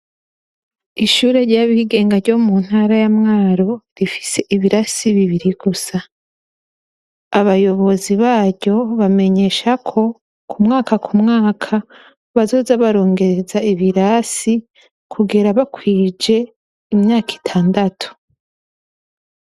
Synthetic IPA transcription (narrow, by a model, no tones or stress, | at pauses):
iʃuːɾe̞ɾɟaːβiːɡe̞ːŋɡaɾɟo̞mun̥haːɾajamŋaːɾo̞ɾifi̥se̞ʔiβiɾasiβiβiɾiɡ̥usa | aβajo̞βo̞ziβaːɾɟo̞βame̞ɲe̞ʃakʰo̞ | kumŋaːkakʰumŋaːkʰa | βazo̞ːzaβaɾo̞ːŋɡe̞ɾe̞zaiβiɾasi | kʰuɡiɾaβakwiːd͡ʒe̞ | imɲaːki̥tʰaːndatʰu̥